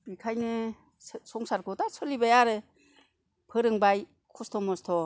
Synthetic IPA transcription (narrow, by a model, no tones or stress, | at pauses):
bikʰajnɯ | sɔŋsaɾkɔtasʰɔlibajaɾɯ | pʰɯɾɯŋbaj | kʰɔstʰɔmɔstʰɔ